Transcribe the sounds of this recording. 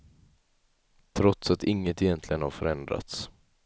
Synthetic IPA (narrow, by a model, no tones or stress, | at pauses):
t̪ʰɾɔt̪sat̪ɪŋːət̪ɪjɛnt̪ʰlɪɡənhaɾfœɾɛnd̪ɾa̰t̪s